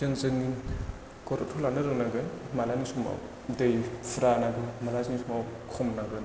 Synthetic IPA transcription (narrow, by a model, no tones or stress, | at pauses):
ənzɯŋi | kɔɾɔtʰulanɯɾɯŋnaɡɯnmalanisuma̰w | dəjfɾanaɡɯmalazinisumawkʰɔmnaɡɯn